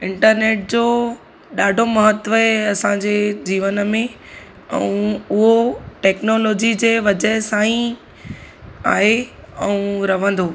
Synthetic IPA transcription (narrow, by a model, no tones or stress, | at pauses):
ɪ̃ɳʈəɾneːʈ̚d͡ʑoː | ɗaːɖʱomɐɦət̪ʋəɦeɐsãɲd͡ʑeːd͡ʑiːʋənəmẽ | ɛ̰̃ũʊɦoʈɛːknoːloːd͡ʑid͡ʑeːʋɐd͡ʑəɦsãːĩ | a̰ːɦe | ɛ̃ũɾɐʋ̤ə̃nd̪oː